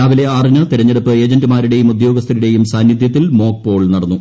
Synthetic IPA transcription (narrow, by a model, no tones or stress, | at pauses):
aːʋile̞aːrinɐt̪iɾɐɲːɐɽɐpːɨe̞ːd͡ʑɐndɨmaːɾuɽe̞jumud̪joːɡɐst̪ʰɐɾiɽe̞jumsaːnjɐd̪jɐt̪ːilmo̞ːk̚po̞ːɭnɐɽɐnːu